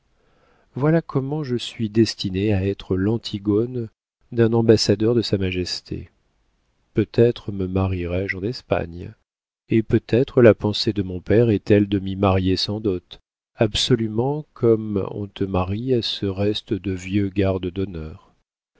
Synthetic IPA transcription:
vwalakʰɔmɑ̃ʒəsɥid̪ɛst̪ineaɛt̪χəlɑ̃t̪ʰiɡɔn | d̪ɛ̃nɑ̃basad̪œʁd̪əsamaʒɛst̪ʰḛ | pøt̪ɛt̪χəməmaʁiʁɛʒɑ̃nɛspa̰ɲ | epøt̪ɛt̪χəlapɑ̃sed̪əmɔ̃pɛʁɛt̪ɛld̪əmimaʁjesɑ̃d̪ut̪ | absɔlymɑ̃kʰɔmɔ̰̃t̪əmaʁiasəʁɛst̪d̪əvjøɡaʁd̪əd̪ɔnœːʁ

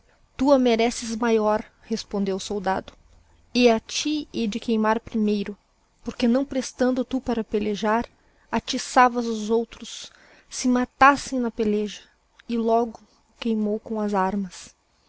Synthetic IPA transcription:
t̪uameɾɛsɪzmajɔɾ | hespõnd̪ewsowd̪ad̪ʊ̥ | ɪat͡ʃied͡ʒɪkejmaɾpɾimejɾʊ | poɾkenɐ̃w̃pɾest̪ɐ̃nd̪ʊt̪upaɾɐpeleʒaɾ | at͡ʃisavɐzʊzowt̪ɾʊsː | ɪmat̪asẽj̃nɐpeleʒɐ | ɪlɔɡʊ | kejmowkõɐzaɾmɐs

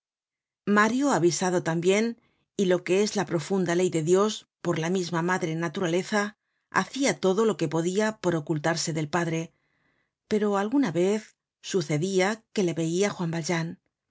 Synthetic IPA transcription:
maɾjoaβisaðo̞t̪ambje̞n | ilo̞ke̞ezlapɾo̞fund̪ale̞jðe̞ðjo̞s | po̞ɾlamizmamaðɾe̞nat̪uɾale̞θa | a̰θiat̪o̞ðo̞lo̞ke̞po̞ðiapo̞ɾo̞kult̪aɾse̞ðe̞lpaðɾe̞ | pe̞ɾo̞alɣunaβe̞θ | suθe̞ðiake̞le̞βe̞iaxwambalʒan

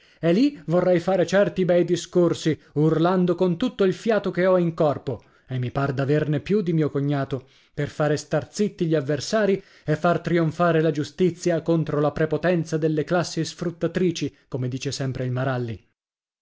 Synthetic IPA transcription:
ɛlːivorːɛjfaːɾet͡ʃɛrt̪ibɛjd̪iskorsiurland̪okont̪ut̪ːoilfjaːt̪okeɔiŋkɔrpo | emːipard̪avernepjud̪imiːokoɲːaːt̪o | perfaːɾest̪art̪sit̪ːiʎiavːersaːɾi | efːart̪ɾioɱfaːɾelad͡ʒust̪it̪sːjakont̪ɾolapɾepot̪ɛnt̪sad̪elːeklasːisfɾut̪ːat̪ɾiːt͡ʃikomed̪iːt͡ʃesɛmpɾeilmaɾalːḭ

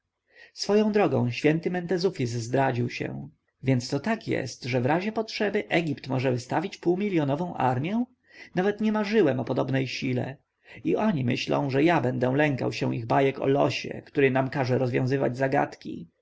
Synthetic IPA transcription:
sfɔjɔ̃w̃d̪ɾɔɡɔ̰̃w̃ɕfʲjɛnt̪ɘmɛnt̪ɛzufʲis̬zd̪ɾad͡ʑiwɕɛ̰ | vʲjɛnt̪st̪ɔt̪akjɛ̰st̪ʐɛvɾaʑɛpɔtʂɛbɘʔɛɡʲipt̪mɔʐɛvɘst̪avʲit͡ɕpuwmʲilʲjɔnɔvɔ̃w̃ʔa̰ɾmʲjɛ | navɛt̪ɲɛmaʐɘwɛmɔpɔd̪ɔbnɛjɕilɛ̰ | iʔɔɲimɘɕlɔ̰̃w̃ʐɛjabɛnd̪ɛ̃lɛŋka̰wɕɛw̃ʔiɣbajɛkɔ̰lɔ̰ɕɛ̰kt̪uɾɘnamkaʐɛɾɔzvjɔ̃w̃zɘva̰d͡ʑzaɡa̰t̪kʲḭ

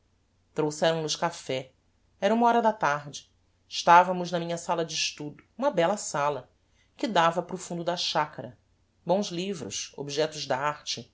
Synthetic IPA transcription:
t̪ɾowsɛɾɐ̃w̃nʊʃkafɛ | ɛɾɐũmɐɔɾɐd̪ɐt̪aɦd͡ʒɪ̥ | ɪʃt̪avɐmʊznɐmĩɲɐsalɐd͡ʒɪːʃt̪ud̪ʊũmɐbɛlɐsalɐ | kɪd̪avɐpɾʊfũnd̪ʊd̪ɐʃakɐɾɐ | bõw̃zlivɾʊ̰ʃo̰biʒɛt̪ʊzd̪aaɾt͡ʃɪ

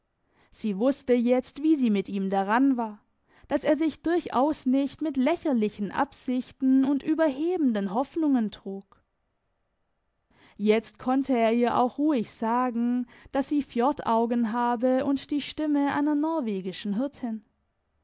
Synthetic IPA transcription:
z̥iːvʊstəjɛt͡stv̥iːziːmɪtʔiːmdaʁanvaːɐ | d̥aseːɐzɪçd̥ʊɐçʔa̰ʊsnɪçtmɪtlɛçɐlɪçn̩ʔa̰pz̥ɪçtn̩ʊntʔyːbɐɦeːbn̩dənɦɔfnʊŋəntʁ̥uːk | jɛt͡stkʰɔntʰəeːɐiːɐʔa̰ʊxʁuːɪçz̥aːɡŋ̩d̥asz̥iːfjɔɐtʰaʊɡən̩ɦaːbəʔʊntd̥iːʃtɪməʔa̰ɪnɐnɔɐveːɡɪʃn̩ɦɪɐtʰɪn

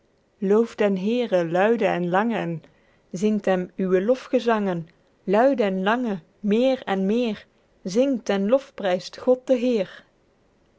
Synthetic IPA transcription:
lowfdɛnɦɪːrəlœɥdəɛnlɑŋən | zɪŋtɦɛmyʋəlɔfχəzɑŋən | lœɥdəɛnlɑŋə | mɪːrɛnmɪːr | zɪŋtɛnlɔfprɛjstχɔt̚dəɦɪːr

